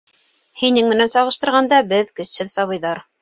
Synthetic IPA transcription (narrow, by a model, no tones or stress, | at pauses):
hinɘŋmɘ̆nænsɑʁɤ̆ʃt̪ɤ̆ɾʁɑnd̪ɑbɘðkɵ̆shɘðsɑβɤ̆jðɑɾ